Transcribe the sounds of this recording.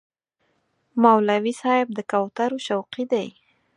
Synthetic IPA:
mawlawisɑɪb̚d̪əkawt̪aɾoʃawqid̪aj

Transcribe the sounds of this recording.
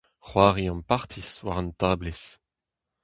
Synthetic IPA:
χwaːʁiɑ̃mpaʁt̪ʰiswaʁɑ̃nt̪aːbles

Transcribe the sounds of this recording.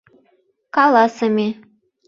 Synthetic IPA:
kɑlɑsɤ̆mʲe

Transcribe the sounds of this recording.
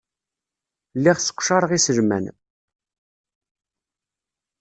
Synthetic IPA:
lːiʁsə̥qʷːʃɑɾˤʁisəʒmæ̰n

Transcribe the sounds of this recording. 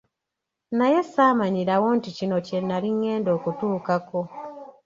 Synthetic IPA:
naje̞saːmaɲiɾawo̞nticino̞ce̞nːaliŋːe̞ːndo̞ːkutuːkako̞

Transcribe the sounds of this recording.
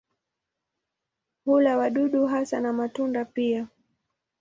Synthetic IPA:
hulawaɗuɗuɦasanamatundapia

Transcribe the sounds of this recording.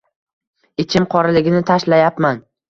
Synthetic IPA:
ɪt͡ʃʰɪmqʰɒɾɪlɪɡʲɪnɪt̪ʰaʃlajapman

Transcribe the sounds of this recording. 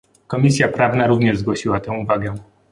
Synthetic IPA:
kɔmʲisʲjapɾavnaɾuvɲɛʐzɡwɔɕiwat̪ɛ̃w̃uvaɡɛ

